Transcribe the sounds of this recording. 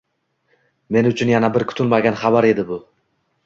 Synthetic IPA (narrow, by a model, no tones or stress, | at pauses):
me̞nʊt͡ʃʰʊnjanabɪɾkʰʊ̥t̪ʰʊlmaɡʲanχabaɾe̞d̪ɪbʊ